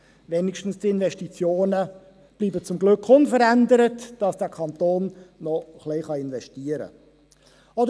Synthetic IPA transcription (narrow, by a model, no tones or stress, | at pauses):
ʋenɪkʃtn̩stiɪnʋɛʃtit͡sjoːnə | b̥liːbət͡sʊmɡlɵkχʊnfəɾændəɾətd̥ɑsd̥ɛkʰɑnt̪oːnnɔχliχɑɪnʋɛʃtiːəɾə̰ | ɔdə